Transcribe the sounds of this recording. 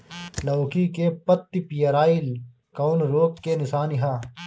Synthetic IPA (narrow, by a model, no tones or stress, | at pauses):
lɐwkikepɐt̪ːipijɐɾaːil | koːnɾoːkːenɪsaːniɦaː